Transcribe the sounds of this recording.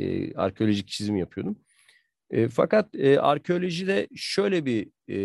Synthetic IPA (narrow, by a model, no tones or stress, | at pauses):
ɛ̰a̰ɾcʰeolʲo̞ʒic̚t͡ʃʰizimijapʰɯjo̞d̪um | ɛːfa̰kat̪ɛːa̰ɾcʰeolʲoʒid̪ɛʃø̞jlʲɛbi